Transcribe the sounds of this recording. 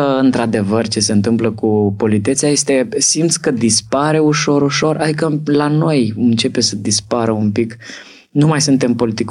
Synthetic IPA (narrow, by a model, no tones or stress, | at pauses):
ɨnt̪ɾad̪e̞vərt͡ʃe̞se̞ɨnt̪ɨmpləkupo̞lit̪e̞t̪seaje̞st̪e̞simt̪sʲkəd̪ispaɾe̞uʃo̞ɾuʃo̞rʔad̪ikəlano̞jɨnt͡ʃe̞pe̞səd̪ispaɾəumpik | numajsɨnt̪e̞mpo̞lit̪ik